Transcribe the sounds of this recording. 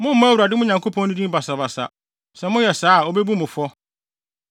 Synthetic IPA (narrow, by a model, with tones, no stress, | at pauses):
mʊ̃˦m̩˦mã˦wu˨ɾa˨dɪ˦mʊ̃˦ɲã˨ŋkʰo˦pʰɔ̃˦nʊ̃˦dĩ˦m˦ba˨sa˨ba˨sa̰˨ | sɛ˨mʊ̃˦jɛ˨saː˨˦˨o˨bɛ˦bu˦mʊ̃˨fɔ˦